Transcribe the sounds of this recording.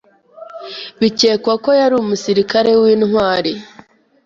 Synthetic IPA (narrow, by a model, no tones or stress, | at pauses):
βice̞ːkwako̞jaɾumusiɾikaɾe̞wiːnhwaːɾe